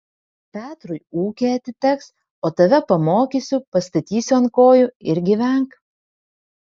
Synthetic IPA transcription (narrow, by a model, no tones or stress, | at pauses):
pʲæːt̪ɾʊjuːkʲeɐt̪ʲɪt̪ʲɛks | oːt̪ɐʋʲɛpɐmoːkʲisʲʊpɐst̪ɐt̪ʲiːsʲʊɐnkoːjʊɪɾɡʲɪʋʲɛŋk